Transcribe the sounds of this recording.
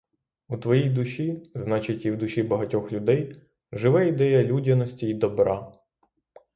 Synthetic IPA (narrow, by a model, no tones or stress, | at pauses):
ut̪ʋɔjijd̪ʊʃʲiznɑt͡ʃɪtʲiwd̪ʊʃibɐɦɐtʲɔxlʲʊd̪ɛj | ʒɪʋɛid̪ɛjɐlʲudʲɐnɔsʲtʲiːd̪ɔbɾɑ